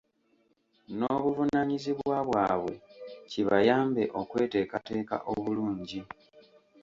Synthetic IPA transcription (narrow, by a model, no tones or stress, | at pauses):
no̞ːβuvunaɲiziβwwaβwaːβwe̞̰ciβajaːmbe̞ʔo̞kwe̞ːte̞ːkate̞ːka̰ʔo̞βuluːɲɟi